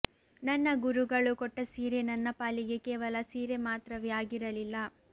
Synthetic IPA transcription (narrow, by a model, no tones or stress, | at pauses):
nɐnːɐɡuɾuɡɐɭukɔʈːɐsiːɾenɐnːɐpaːliɡe̞kɛːʋɐlɐsiːɾemaːt̪ɾɐʋɛjaːɡiɾɐlilːɐ